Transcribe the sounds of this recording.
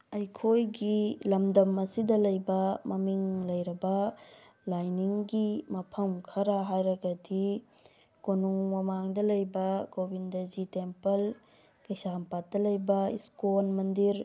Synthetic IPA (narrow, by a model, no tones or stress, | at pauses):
ɐjkʰojɡilɐmdɐmɐsidɐlɐjbɐmɐmiŋlɐjɾɐbɐ | lajniŋɡimɐpʰɐmkʰɐɾaɦajɾɐɡɐdi | konuŋmɐmaŋdɐlɐjbɐkobindɐzitempɐl | kɐjsampat̚dɐlɐjbɐiskonmɐndiɾ